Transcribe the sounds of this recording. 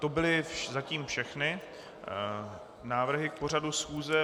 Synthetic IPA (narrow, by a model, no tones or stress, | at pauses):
t̪o̞bɪlɪfzaciːmfʃɛxnɪ | naːvr̩ɦɪk̚po̞r̝adusxuːzɛ